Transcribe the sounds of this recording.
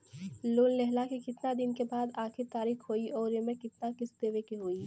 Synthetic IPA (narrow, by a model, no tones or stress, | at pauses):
loːllɛɦlakekɪt̪nad̪ɪnkebaːd̪aːkʰɪɾt̪aːɾiːxɦoːiʔɔːɾemẽkɪt̪nakɪst̪eːʋekiɦoːiː